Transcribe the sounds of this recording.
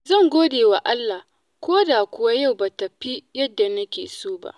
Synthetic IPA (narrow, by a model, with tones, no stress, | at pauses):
zɐ˦˨ŋɡʷoː˦deː˨wa˨ʔa˦lːa˨ | kʷoː˦daː˨kʷʊ˦wa˦ja˦˨wba˨tɐ˨ɸi˦jɐ˦dːa˨nɐ˦kʲḛː˨soː˦ba̰˦ʔ